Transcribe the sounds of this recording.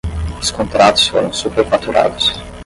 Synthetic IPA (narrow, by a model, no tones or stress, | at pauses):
ʊskont̪ɾat̪ʊ̥sfo̰ɾõ̰w̃supeɾfat̪uɾʔa̰ːd̪ʊs